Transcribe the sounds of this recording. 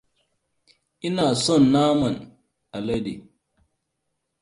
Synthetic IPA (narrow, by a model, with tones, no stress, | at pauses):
i˦na˨sɔ˦˨nːa˦ma˨n | a˨lə˦dḭ˨